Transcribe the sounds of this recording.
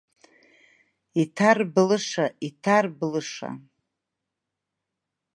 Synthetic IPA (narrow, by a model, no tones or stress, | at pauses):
itʰarblɨʂaitʰarblɨʂa̰